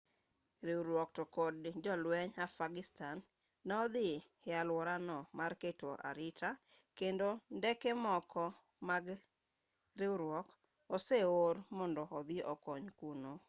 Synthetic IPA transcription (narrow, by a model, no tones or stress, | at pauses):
ɾɪwɾwɔktokɔdd͡ʒɔlwɛɲafaɡɪstanː | ɛɔd̪ɪhɪalwɔɾanɔmarketoʔa̰ɾɪtʰakendondɛkɛmɔkɔ | maɡ | ɾɪuɾwɔk | ɔseoɾmɔndɔɔd̪ɪʔɔkɔɲkuno